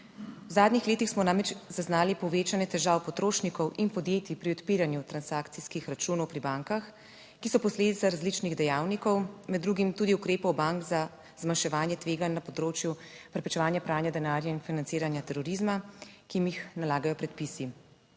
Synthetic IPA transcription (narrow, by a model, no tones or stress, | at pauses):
wzaːd̪nixleːt̪ixsmɔnamɛt͡ʃzaznaːlipɔʋeːt͡ʃanjɛt̪ɛʒaːwpɔt̪ɾoːʃnikɔwʔinpɔd̪jeːt̪ipɾiɔt̪piːɾanjut̪ɾansaːkt̪siskixɾat͡ʃuːnɔwpɾibaŋkax | kisɔpɔsleːd̪it̪saɾazlit͡ʃniɣd̪ɛjaːwnikɔwmɛd̪dːɾuːɡimt̪uːd̪iukɾeːpɔwbaŋkza | zmanʃɛʋaːnjɛt̪ʋeːɡanːapɔd̪ɾoːt͡ʃju | pɾɛpɾɛt͡ʃɛʋaːnjapɾaːnjad̪ɛnaːɾjainfinant̪iːɾanjat̪ɛɾɔɾizmakimixnalaːɡajɔpɾɛt̪̚pisi